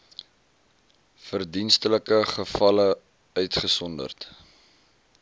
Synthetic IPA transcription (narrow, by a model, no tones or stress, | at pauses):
fərdinstələkəχəfɐlə | œɥtχəsɔndə̰rt